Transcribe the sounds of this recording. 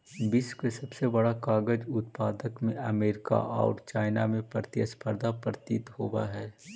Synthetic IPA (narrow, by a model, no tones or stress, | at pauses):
bɪskesɐbsebɐɽakaːɡəd͡ʒʊt̪paːd̪əkmẽɐmeːɾɪka̰ʔɔ̰ːɾt͡ʃaːɪna̰mẽpɾt̪jə̰spʰəɾd̪ʱapɾət̪it̪hoːba̰ɦɛː